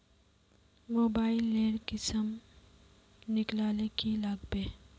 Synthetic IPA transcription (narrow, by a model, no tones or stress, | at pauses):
moːbaːɪlːeːɾkɪsəm | nɪklaːlekilaɡbeː